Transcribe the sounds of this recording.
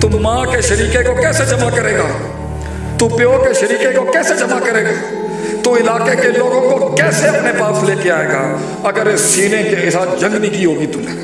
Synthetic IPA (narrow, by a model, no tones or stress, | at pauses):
t̪ʊmmãːkeʃɐɾiːkekokɛːsed͡ʒɐmakɐɾeːɡaː | t̪upjoːkeʃɐɾiːkekokɛːsed͡ʒɐmakɐɾeːɡaː | t̪oɪlaːkekeloːɡõkokɛːseɐpnepaːsleːkeaːeːɡaː | ɐɡəɾesiːnekeɪsaːt̪d͡ʒɐ̃ŋɡnɪkiɦoːɡit̪ʊmẽː